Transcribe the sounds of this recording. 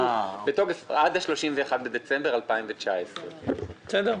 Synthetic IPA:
beto̞ɡefad̪aʃlo̞ʃimveːχad̪̚bed̪e̞t͡sembeʁalpaimvet͡ʃaesʁe̥sed̪eʁ

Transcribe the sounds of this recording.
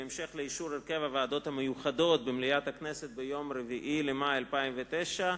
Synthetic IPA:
emʃeχleiʃuɾeɾkevavaːd̪ot̪hamejuχad̪o̞t̪̚bemlijat̪akneset̪̚bejo̞mɾeviʔilemajalpaimvet̪ejʃa

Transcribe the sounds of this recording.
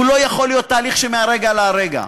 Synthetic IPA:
ulo̞jaχo̞lːijo̞t̪ːaːliχʃemeaʁeɡalaʁeɡa̰

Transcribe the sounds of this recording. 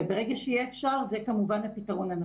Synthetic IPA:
beʁeɡaʃejɛːfʃaʁzekamuvanhapitaʁo̞nana

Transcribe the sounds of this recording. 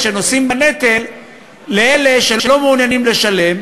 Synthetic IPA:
ʃeno̞simbane̞t̪e̞lː | eele̞ʃelelo̞muːnjanimle̞ʃale̞m

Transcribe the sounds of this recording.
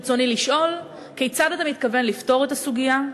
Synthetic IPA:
t͡so̞niliʃʔo̞l | kejt͡sadat̪amit̪kave̞nlifto̞ʁe̞tasuɡija

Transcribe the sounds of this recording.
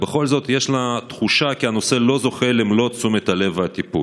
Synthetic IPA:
be̞χo̞lzo̞t̪jeʃlat̪χuʃakiano̞se̞lo̞zo̞χe̞lemlo̞t͡sumet̪ale̞vat̪ipṵ

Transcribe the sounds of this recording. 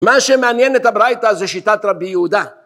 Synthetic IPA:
maʃemeanjenet̪habɾajt̪azeʃit̪at̪ɾabijehud̪a

